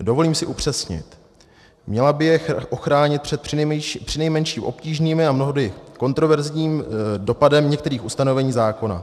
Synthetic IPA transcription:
do̞vo̞liːmsɪʔupr̝̥ɛsɲɪ̰t̪ | mɲɛlabɪjɛʔoxɾaːɲɪt̪̚pɛt̪pr̥ɪnɛjmɛnʃiːmʔo̞pciːʒniːmɪamno̞ɦodjɪko̞nt̪ɾo̞vɛɾzɲiːmdo̞padɛmɲɛk̚t̪ɛɾiːxust̪ano̞vɛɲiːzaːko̞na̰

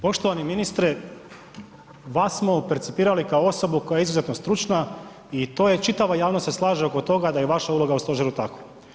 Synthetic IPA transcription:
po̞ʃt̪oʋaniminist̪ɾe | ʋasmo̞peɾt̪sipiːɾalikaoo̞so̞buko̞jajeizuzet̪nost̪ɾut͡ʃna | it̪o̞je̞t͡ʃit̪aʋajaːʋnost̪sslˠaːʒeo̞kot̪o̞ɡad̪ajeʋaʃaulˠo̞ɡaust̪o̞ʒeɾut̪ako

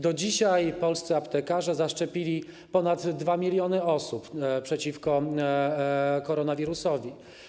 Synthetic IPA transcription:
d̪ɔd͡ʑiɕajpɔlst̪sɘapt̪ɛkaʐɛzaʂt͡ʂɛpʲilʲi | pɔnad̪ːvamʲilʲjɔnɘɔsuppʂɛt͡ɕifkɔ | kɔɾɔnavʲiɾusɔvʲi

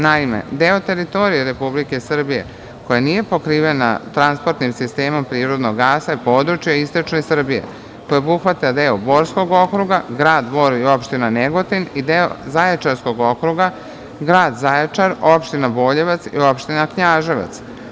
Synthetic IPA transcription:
naimḛd̪e̞o̞t̪e̞ɾit̪o̞ɾijeɾe̞publike̞sr̩bije̞̰ | ko̞janije̞po̞kɾiːʋe̞na̰t̪ɾanspo̞ɾt̪nimsist̪e̞ːmompɾiːɾo̞d̪noɡːaːsaipo̞ːd̪ɾut͡ʃjaist̪ot͡ʃnesr̩bije̞̰ | kojaobuxʋat̪ead̪eobo̞ːɾsko̞ɡo̞kɾuɡaɡɾaːd̪bo̞ːɾio̞pʃt̪inaneɡo̞t̪inid̪eo̰zajet͡ʃaɾsko̞ɡo̞kɾuɡa | ɡɾaːd̪zajet͡ʃaɾo̞pʃt̪inabo̞ːʎe̞ʋat̪sḭo̞pʃt̪inakɲaːʒeʋa̰t̪s

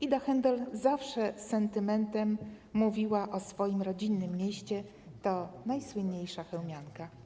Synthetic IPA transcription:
id̪axɛnd̪ɛlzafʂɛsɛnt̪ɘmɛnt̪ɛmːuvʲiwaʔɔsfɔjimɾɔd͡ʑinːɘmːjeɕt͡ɕɛ | t̪ɔnajswɘnɲejʂaxɛwmʲjaŋka

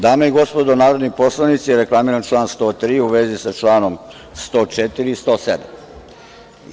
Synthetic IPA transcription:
d̪aːmeiɡo̞spo̞d̪onaːɾod̪nipo̞slˠaʋnit̪sijeɾeklˠamiɾant͡ʃlˠaːnst̪o̞ːt̪ɾiːuʋezisat͡ʃlˠaːno̞m | st̪o̞ːt͡ʃet̪iɾiːst̪o̞ːsḛd̪am

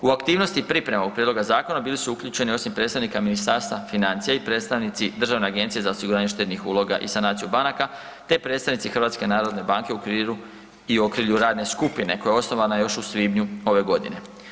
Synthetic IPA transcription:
uakt̪iːʋno̞st̪ipɾipɾe̞maɡ̚pɾied̪lo̞ɡazaːko̞nabiːlisuukʎut͡ʃe̞nio̞simpɾe̞ːt̪st̪aʋnikaminist̪aːɾst̪ʋafinant̪sijaipɾe̞ːt̪st̪aʋnit̪sid̪ɾr̩ʒaʋne̞aɡe̞nt̪sije̞zaosiɡuɾaːɲeʃt̪et̪nixṵlˠo̞ɡa̰ʔisanaːt̪sijubanaka | t̪e̞pɾe̞ːt̪st̪aʋnit̪sixɾʋaːt̪ske̞naːɾo̞d̪ne̞baːŋkeukɾiu | iokɾiʎuɾaːd̪ne̞skupine̞ko̞jaeosno̞ʋanajo̞ʃusʋibɲuo̞ʋe̞ɡo̞d̪ḭne̞

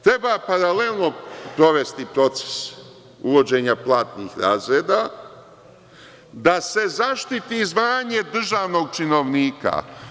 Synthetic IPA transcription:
t̪ɾe̞bapaɾalelˠno̞pɾo̞ʋe̞st̪ipɾo̞t̪se̥s | uʋo̞d͡ʑe̞ːɲaplˠaːt̪niːxɾa̰ːzɾeːd̪aː | d̪ase̞zaʃt̪it̪izʋaːɲe̞d̪r̩ʒaːʋno̞ɡ̚t͡ʃino̞ʋniːka̰

